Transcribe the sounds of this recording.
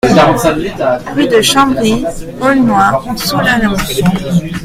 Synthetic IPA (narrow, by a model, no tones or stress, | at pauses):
ʁyd̪əʃɑ̃bʁiɔlnwasulanɔ̃